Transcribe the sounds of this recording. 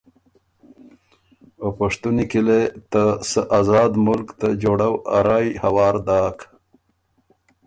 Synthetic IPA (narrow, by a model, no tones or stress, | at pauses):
opaʂt̪unikilet̪asəʔazɑːd̪mʊlkt̪ad͡ʒoːɽawa̰ɾɑːjhawɑːɾd̪ɑːk